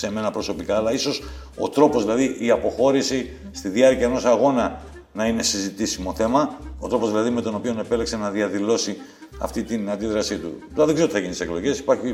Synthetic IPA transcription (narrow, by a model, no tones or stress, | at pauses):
se̞me̞nɐpɾo̞so̞pikɐːlɐiso̞s | o̞̰t̪ɾo̞pozðilɐðiʔiɐpo̞xo̞ɾisi | st̪iðiɐɾciɐeno̞sɐɣo̞nɐ | nɐine̞sizit̪isimo̞θe̞mɐo̞t̪ɾo̞pozðilɐðime̞t̪o̞no̞pio̞ne̞pe̞lekse̞nɐðiɐðilo̞si | ɐ̰ft̪it̪inɐnd̪iðɾɐsit̪ṵ | ɐðeɡzeot̪θɐɣinit̪iseklo̞ʝe̞si̥pɐɾçi